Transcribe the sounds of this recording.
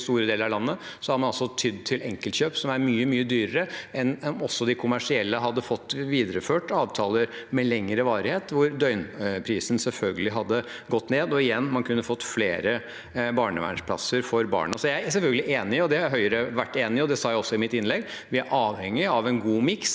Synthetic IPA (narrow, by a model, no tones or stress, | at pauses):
st̪uːɾəd̪eːləɾɑʋlɑnːəsɔhɑɾmɑnɑlsɔt̪ʰyd̪̚t̪ʰɪlɛŋkəlt̪çøːpsɔmæɾmyːəmyːəd̪yːɾəɾəɛnɔmɔsːɔd̪ɪkʰʊmæʂɪɛlːəɦɑd̪ːəfɔt̪ːʋiːd̪ɾəføːʈɑːʋt̪ʰɑːləɾ | mɛlɛŋːɾəʋɑːɾɪheːt̪ʋʊɾd̪œʏnpʰɾiːsən̩sɛlfœlɡəlɪɦɑd̪ːə | ɡɔt̪ːneːd̪ɔɪjɛnːmɑnkʰʉnːəfɔt̪ːfleːɾə | bɑːɳəʋæ̰ɳʂpʰlɑ̰səɾfɔɾbɑ̰ːɳəsɔjæɪsɛfœlɡəlɪʔeːnɪɔd̪ɛhɑɾɦœʏəɾəʋæʈːeːnɪɔd̪ɛsɑːjæɪɔsːɔɪmɪt̪ːɪnlɛɡ | ʋɪæɾʔɑːʋhɛŋːɪɑʋɛnɡuːmɪks